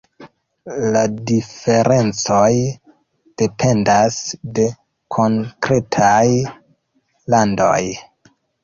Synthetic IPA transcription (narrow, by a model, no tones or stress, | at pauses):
ladife̞ɾʔe̞nt͡so̞j | d̥e̞pʰe̞ndasde̞ | kʰo̞ŋkɾe̞tʰaj | lando̞̰j